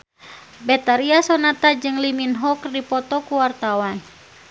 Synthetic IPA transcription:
bɛt̪aɾiasɔnat̪ad͡ʒɨŋliminɦɔkrdipɔt̪ɔkuwart̪awan

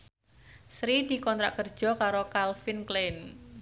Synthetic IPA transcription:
sɾid̪i̤kɔnt̪ɾaʔkərd̥d͡ʒ̥ɔ̤kaɾokalfinklen

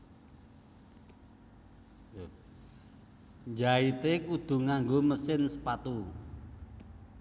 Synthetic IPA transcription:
ɲd͡ʒait̪ekud̪̥ṳŋaŋɡoməsɪnsəpat̪u

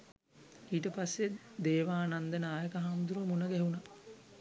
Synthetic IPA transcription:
iːʈəpasːed̪eːʋaːnand̪ənaːjəkəɦamd̪uɾəmunəɡɛɦuna

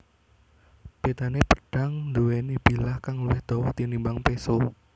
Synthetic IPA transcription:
b̥et̪anepəɖ̥a̤ŋd̪uwenib̥i̤lahkaŋluwɪhd̪̥ɔwɔht̪inimbaŋpeso

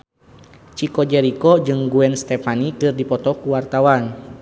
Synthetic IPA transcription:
t͡ʃikɔd͡ʒɛɾikɔd͡ʒɨŋɡuɛnst̪ɛfanikɨrdipɔt̪ɔkuwart̪awan

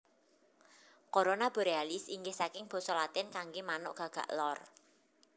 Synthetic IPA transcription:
koɾonab̥o̤ɾealisiŋɡɪhsakɪŋb̥ɔ̤sɔlat̪ɪnkaŋɡemanʊʔɡ̥ä̤ɡ̥a̤̰ʔlɔr

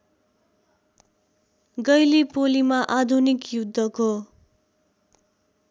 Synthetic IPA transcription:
ɡʌjlipolimaʔad̪ʱunikjud̪ʱːʌko

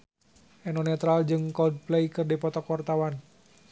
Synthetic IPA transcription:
ʔɛnɔnɛt̪ɾald͡ʒɨŋkɔld̚plejkɨrdipɔt̪ɔkɔrt̪awan

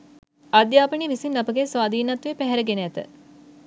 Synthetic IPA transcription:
ad̪jaːpəɳiʋisinːɐpəɡesʋaːd̪iːnɐt̪ʋepæɦɛɾəɡenəæt̪ə̰

